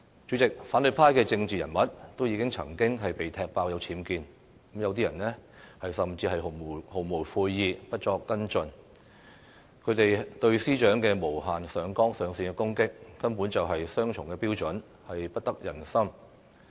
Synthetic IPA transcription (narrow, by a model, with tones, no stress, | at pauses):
t͡ʃyː˨˥t͡sɪ˨k̚faː˨˥nlɵ˨˧j̚pʰaː˥jkɛː˧t͡sɪ˧ŋt͡siː˨jɐ˨˩nmɐ˨˥t̚t̪wjiː˨˧kɪ˥ŋt͡sʰɐ˨˩ŋkɪ˥ŋɦɐ˨jpe˨jt̪ʰɛː˧k̚paː˧wjɐ˨˧wt͡sʰiː˨˥mkiː˧n˨˥ | mjɐ˨˧wt̪iː˥jɐ˨˩nɛː˥ | hɐ˨jsɐ˨˩mt͡siː˧ɦɐ˨jɦho˨˩wmo˨˩wfuː˧jːiː˨pɐ˥t̚t͡ʃɔː˧kːɐ˥nt͡ʃɵ˨˧n | kʰɵ˨˧ɥt̪e˨jt̪ɵ˧ɥsiː˥t͡ʃœː˨˥ŋkɛː˧mo˨˩wɦaː˨nsœː˨˧ŋkɔː˥ŋsœː˨˧ŋsiː˧ŋkɛ˧kʊ˥ŋkɪ˥k̚ːɐ˥npuː˨˥nt͡sɐ˨wɦɐ˨jsœː˥ŋt͡ʃʰʊ˨˩ŋkɛː˧piː˥wt͡ʃɵ˨˥n | hɐ˨jpɐ˥t̚t̪ɐ˥k̚jɐ˨˩nsɐ˥m